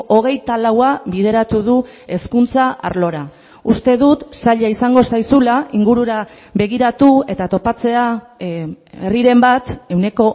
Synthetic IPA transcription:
o̞ɣ̞e̞jt̪alawaβið̞e̞ɾat̪uð̞ue̞skunt͡saa̰ɾlo̞ɾa | ust̪e̞ðut̪saʎaisaŋɡo̞sajsulaiŋɡuɾuɾa | βe̞ɣ̞iɾat̪ue̞t̪at̪o̞pat͡se̞a | eriɾe̞mbat̪e̞wne̞ko̞

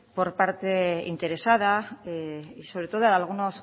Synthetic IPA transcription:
po̞ɾpaɾt̪e̞ḭnt̪e̞ɾe̞sað̞a | iso̞βɾe̞t̪o̞ðoaalɣ̞uno̞s

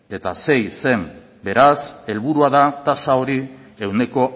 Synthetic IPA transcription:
e̞t̪a̰se̞jse̞m | be̞ɾase̞lβuɾuaðat̪asao̞ɾie̞wne̞ko̞

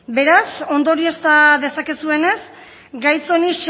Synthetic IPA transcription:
be̞ɾaso̞nd̪o̞ɾie̞st̪aðe̞sakesue̞ne̞s | ɡajso̞niʃ

